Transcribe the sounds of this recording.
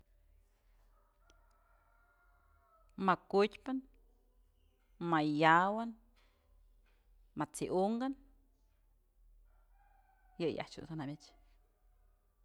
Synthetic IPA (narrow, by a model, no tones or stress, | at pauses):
makutʲpan | majawan | mat͡siʔuŋɡan | jɨja̰ht͡ʃṵsanamʲit͡ʃ